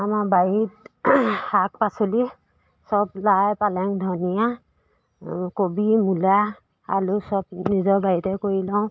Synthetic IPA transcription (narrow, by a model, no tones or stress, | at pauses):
amabajit | hak̚pasoli | sɔblajpalɛŋdʱɔnija | kobimula | a̰ɹusɔb̚nizɔbajitɛkoɹilɔʊ̃